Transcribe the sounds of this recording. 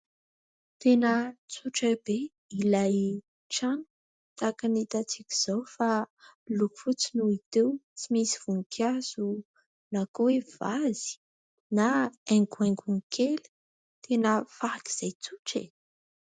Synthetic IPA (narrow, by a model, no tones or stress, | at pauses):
t̪enət͡suʈ͡ʂəbe | ilaj | ʈ͡ʂanu̥ | t̪akanit̪at͡sikʲi̥z̥awfaluku̥fut͡sinuit̪ewt͡simisiv̥uŋkʰjaz̥u | nakuwev̥az̥i̥ | naeŋɡueŋɡuŋkʰel̥ | t̪ʰenəfaaki̥z̥ajt͡suʈ͡ʂḛ